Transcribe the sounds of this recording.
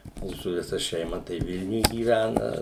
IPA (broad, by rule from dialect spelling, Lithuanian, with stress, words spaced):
ˈmuːsʊ ʋʲɪˈsɐ ʃʲɛɪˈmɐ tɐɪ ˈʋʲɪlʲnʲʊj ɡʲiːˈʋʲænɐ